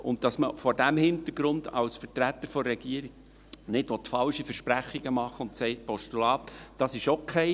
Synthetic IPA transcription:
ʔʊ̰nt̚d̥ɑsməfɔɾdæmhɪnt̪əɾɡɾʊnd̪ɑ̰lsfərtɾæt̪ːəɾfɔɾːɛɡ̥iəɾik | nɪtʋɔt̪fɑlʃifəɾʃpɾæχːiɡəmɑχəʊntsɛɪt̚pɔʃtulɑːt̪d̥ɑsɪʃokʰɛɪ

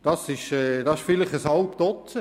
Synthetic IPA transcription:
d̥ɑsɪʃɛːd̥ɑɪʃfɪlɪχəshɑlp̚t̪ɔtt͡sə

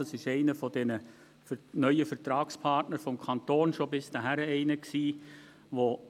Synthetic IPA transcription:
ɑsɪʃɛɪnəfɔdɛnə | fnœʏəfəɾtɾɑːkspʰɑrtnəɾfɔmkʰɑnt̪oːnʃobɪsd̥əɦæɾəɛɪnəksiː | ʋo

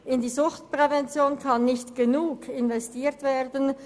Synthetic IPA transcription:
ʔɪndiːzʊxtpʁ̥ɛvɛnt͡sjoːnkʰanːɪçtɡ̥ənuːkɪnvɛstiːɐtv̥eːdən

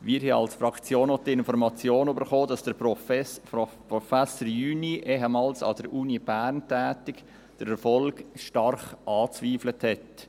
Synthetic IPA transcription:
ʋiːɾhiɑ̰lsfɾɑkt͡sjoːnɔtɪnfɔɾmɑt͡sjoːnybəɾχoːdɑsd̥əɾf | prɔfæsəɾjyːniʔeɦɛmɑːlsɑ̰d̥əɾʔuːnib̥æɾntæːtɪk | d̥əɾɛɾfɔlɡʃtɑrχʔɑːt͡sviːfləthɛt

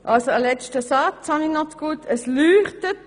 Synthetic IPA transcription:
ʔɑlsoəlɛt͡ʃtəsɑt͡shɑninɔtkuːtəslyːχtət

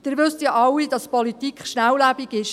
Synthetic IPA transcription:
d̥ɪɾʋʏst̪jɑʔɑwid̥ɑspɔlit̪ikχʃnæwlæb̥iɡɪʃ

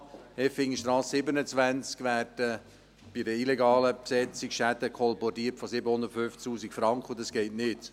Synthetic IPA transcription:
ɛfɪŋiʃtɾɑːssɪbənət͡sʋænt͡skʋæːdə | b̥idəilɛɡɑːləpsɛt͡sikʃæd̪əkʰɔlbɔtiəɾtfɔsɪbəhʊnd̪ətføftuːsikfɾɑŋkχəʊndɑsɡ̥ɛɪtnɪt

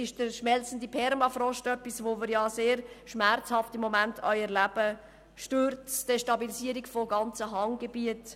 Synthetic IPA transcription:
ɪʃd̥əɾʃmɛlt͡sən̩dipʰɛɾmɑfɾɔʃtœpːisʋoːmɪɾjɑseːɾʃmært͡shɑftɪmːomæntʰœʏəɾlæb̥ə | ʃtøɾt͡sd̥eʃtɑbilisiəɾiɡfoɡɑnt͡səɦɑŋɡebiət

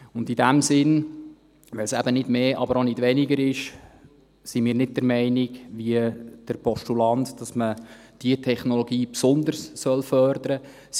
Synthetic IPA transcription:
ʊndidæmsɪn | ʋɛlsæb̥ənɪd̥meːʔɑbəɾonɪd̥ʋɛnɪɡəɾɪʃ | simiːɾnɪd̚dəɾmɛɪnɪɡʋiəd̥əɾpʰɔʃtulɑndd̥ɑsmə | d̥iətʰɛχnoloɡiːpsʊnd̪ərssœlfœrd̥̪əɾə

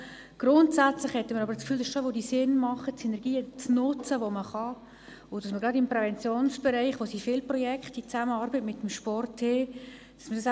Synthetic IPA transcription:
ɡ̥rʊntsæt͡slɪχhɛtəməɾɑbəɾskfyːldɑsʃoʋodisɪnmɑχət͡senɛɾɡ̥iːət͡snʊt͡səʋoməχɑ | ʊd̥ɑsməɡɾɑdɪmprɛvɛnt͡sjoːnsb̥ɛɾɛɪχʋosifɪlprɔjɛkχtit͡sæməɑːɾbətmɪtːəm̩ʃpɔrtːeː | d̥ɑ̥smədɑs

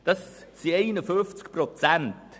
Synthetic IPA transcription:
d̥ɑssieɪnəføft͡skprot͡sænt

